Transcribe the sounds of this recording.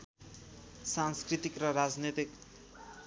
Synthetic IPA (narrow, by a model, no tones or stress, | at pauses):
sanskrit̪ikrʌɾad͡znet̪ik